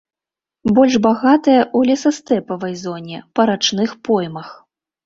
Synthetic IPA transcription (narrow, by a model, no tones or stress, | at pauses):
bɔlʲʐbaɣat̪ɐjɐʔulʲɛsɐst̪ɛpɐvɐjzɔnʲɛpɐɾat͡ʂnɨxpɔjmɐx